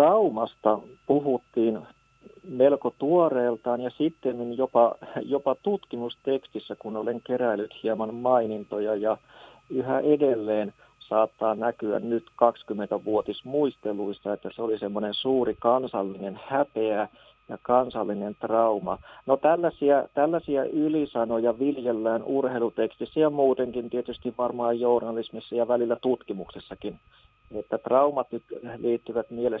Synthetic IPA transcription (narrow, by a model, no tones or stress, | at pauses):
rɑumɑst̪ɑpuhut̪ːiːn | melkot̪uoreːlt̪ɑːnjɑsit̪ːenninjopɑjopɑt̪ut̪kimust̪ekst̪isːækunoleŋkeræilːyt̪hiɑmɑnmɑinint̪ojɑjɑ | yhæʔedelːeːn | sɑːt̪ːɑːnækyæ̰nnyt̪kɑkskymːent̪æʋuot̪ismuist̪elˑuist̪ɑet̪ːæseolisemːonensuːrikɑnsɑlːinenhæpeæ | jɑ̰kɑnsɑlːinent̪rɑumɑ̰not̪ælːæsiæt̪ælːæsiæʔylisɑnojɑʋiljelːæːnurheilut̪ekst̪isːæjɑmuːt̪eŋkint̪iet̪yst̪iʋʋɑrmɑːjjornɑlismisːɑjɑʋælilːæt̪ut̪kimuksesːɑkin | et̪ːæt̪rɑumɑt̪nyt̪liːt̪ːyʋæt̪miele